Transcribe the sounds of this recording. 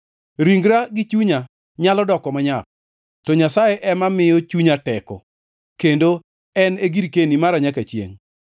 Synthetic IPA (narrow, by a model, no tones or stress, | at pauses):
ɾiŋɡɾaɡɪt͡ʃuɲa | ɲalɔdɔkɔmaɲap̚ | tɔɲasajeʔɛmamɪjɔt͡ʃuɲatɛkɔ̰ | kendo | ɛneɡiɾkenimaɾaɲakat͡ʃjḛŋ